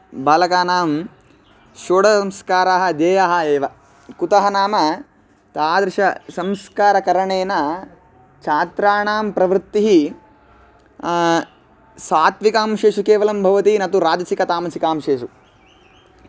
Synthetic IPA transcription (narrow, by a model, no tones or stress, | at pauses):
baːlɐkaːnaːm | ʃoːɽɐsɐmskaːɾaːɦɐ̆d̪eːjaːɦɐ̆eːʋɐ | kut̪ɐɦɐnaːmɐ | t̪aːd̪ɾɪʃɐsɐmskaːɾɐkɐɾɐɳeːnɐ | t͡ʃʰaːt̪ɾaːɳaːmpɾɐʋɾt̪ːiɦi | saːt̪ʋikaːmʃeːʂukeːʋɐlɐmbʱɐʋɐt̪iinɐt̪uɾaːd͡ʒɐsikɐt̪aːmɐsikaːmʃeːʃu